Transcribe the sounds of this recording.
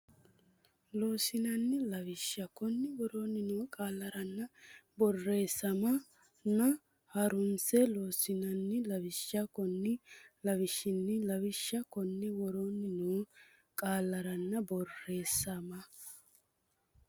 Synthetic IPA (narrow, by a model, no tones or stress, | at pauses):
loːsɪnɐnːɪlɐβɪʃːɐkɔnːɪwɔɾoːnːɪnuːkʼaːlːɐɾɐnːɐbɔrːe̞ːsːɐmɐ | nɐ | hɐɾʊnt͡sɛloːsɪnɐnːɪlɐwɪʃːɐkɔnːɪlɐβɪʃːɪnːɪlɐwɪʃːɐkɔnːɪwɔɾoːnːɪnuː | kʼaːlːɐɾɐnːɐbɔrːe̞ːsːɐmɐ